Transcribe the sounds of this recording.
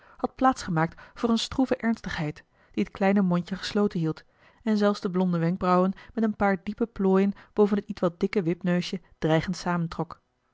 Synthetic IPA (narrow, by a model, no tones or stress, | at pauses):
hɑt̚plaːtsχəmaːk̚tfʊːrənstruvəʔɛɹnstəχɦɛjt | d̥iətklɛjnəmɔɲcəχə̥slowtənɦilˠt | ɛnzɛlˠfsdəblɔndəʋɛŋɡ̚brɑwənmɛtənpaːɹdipəploːjənb̥owvənətitʋɑt̚dɪkəʋɪpnøɥʃə | d̥rɛjχəntsaːməntrɔk